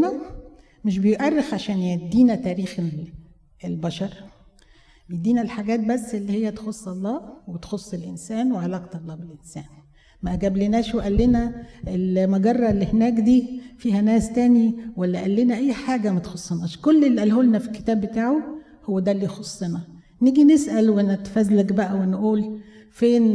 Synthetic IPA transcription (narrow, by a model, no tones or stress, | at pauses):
næ | meʃ̬bejoʔærːexʕaʃæːnjæd̪ːiːnæt̪æːɾiːxe | elbæʃɑɾˤ | bejed̪ːiːnælħaɡæːt̪̚bæsːʔelːihejːæt̪e̥xosˤːɑlˤːɑːwet̪xosˤːelʔensæːnweʕalæːqt̪ɑlˤːɑːbelʔensæːn | mæʔæɡæblenæːʃweʔælːenæelmoɡɑrˤːɑelːihenæːkd̪iːfiːhænæːst̪æːniwælːæʔælːenæʔæjːħaːɡæmæt̪xosˤːenɑːʃkolːelːʔælholnæfilkːe̥t̪æːbːet̪aːʕo | howːæd̪ælːiːjxosˤːenɑ | niɡinesʔælwʔenæt̪fæzlæɡbæʔæwenʔuːl | feːn